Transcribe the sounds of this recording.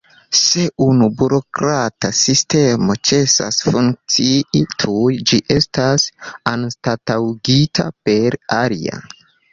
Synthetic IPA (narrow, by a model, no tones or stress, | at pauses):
se̞ʔunubuɾo̞kɾatasiste̞mo̞t͡ʃe̞sa̰sfuŋk̚t͡siitʰujd͡ʒiʔe̞stasanstatawɡitʰa̰pe̞ɾaɾḭa̰